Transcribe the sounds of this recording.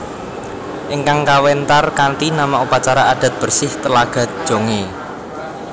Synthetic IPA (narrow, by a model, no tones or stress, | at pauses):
ʔɪŋkaŋkawɛnt̪arkant̪inamaŋupat͡ʃaɾaad̪̥a̤t̪̚b̥ə̤rsɪht̪əlaɡ̥ä̤d̥ʒ̥o̤ŋe